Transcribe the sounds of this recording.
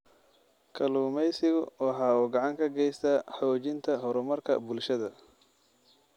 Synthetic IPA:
kʰɐluːmɛjsɪɣʊwɑħɑːɔːɡɑʕɑŋkʰɐɡɛjst̪ʰɐħɔːt͡ʃɪnt̪ʰɐɦɔɾɔmɐrkʰɐ̰bʊlʃɐðɐ

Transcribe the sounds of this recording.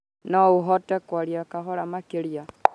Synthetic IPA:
nɔuɦɔtɛkwaɾjakaɦɔɾamakeɾja

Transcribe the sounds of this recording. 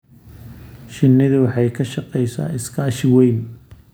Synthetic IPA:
ʃɪnːɪðʊwɑħɑjkʰɐʃɑqɛjsa̰ːɪskʰɐːʃɪwɛjn

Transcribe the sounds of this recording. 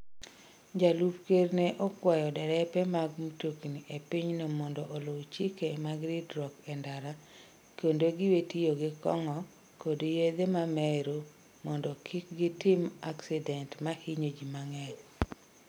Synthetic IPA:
d͡ʒalupkerneʔɔkwajɔdɛɾɛpɛmaɡmutokiniʔepiɲnomɔndɔʔːlot͡ʃikemaɡɾɪdɾɔkɛndaɾa | kondoɡɪwetijoɡɪkɔ̰ŋɔ | kodjed̪emamɛɾo | mɔndɔkʰɪkɡɪtɪmaksidɛntmahiɲod͡ʒimaŋɛɾ

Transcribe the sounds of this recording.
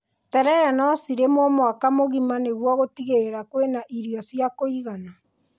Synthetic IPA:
tɛɾɛɾɛnɔsiɾemɔmɔakamoɣimaneɣwɔɣotiɣeɾeɾakwenaʔiɾiɔsjakoiɣana

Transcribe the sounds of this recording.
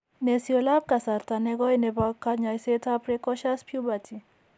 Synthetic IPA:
nesiɔlap̚kasaɾt̪anɛɡɔjnɛpakaɲajset̪ʰapɾekɔʃaspʰjubat̪ʰi

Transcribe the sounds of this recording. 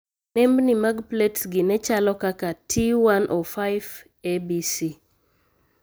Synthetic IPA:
nɛmbnimaɡpletsɡɪnɛt͡ʃalɔkakatʰiwanʔofajv | ebisi

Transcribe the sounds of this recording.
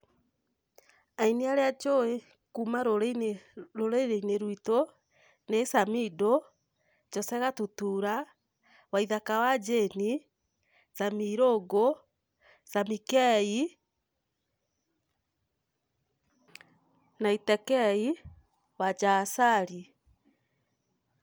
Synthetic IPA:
ainiaɾead͡ʒowe | kuːmaɾoɾenɾoɾeiɾeineɾwito | nesamido | t͡ʃɔsɛɣatutuːɾa | waiðakawad͡ʒeni | samiɾoɡo | samikɛi | naitɛkɛi | wad͡ʒasaɾi

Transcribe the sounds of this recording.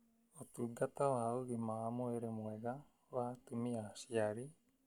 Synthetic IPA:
ot̪uɡat̪awauɾimaːmoeɾemoeɡa | wat̪umiasiaɾi

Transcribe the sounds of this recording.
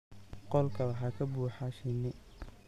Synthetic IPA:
qɔlkʰɐwɑħɑːkʰɐbuːħaʃɛnɛ

